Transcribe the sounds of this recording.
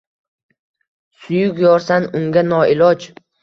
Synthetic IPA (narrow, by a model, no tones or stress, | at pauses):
sʊjʊkʲjɒɾsanʊŋɡʲanɒɪlˠɒd͡ʒ